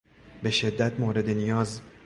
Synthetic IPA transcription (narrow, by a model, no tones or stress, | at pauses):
be̞ʃe̞d̪ːæt̪ʰmoːɾe̞d̪e̞nijɒːz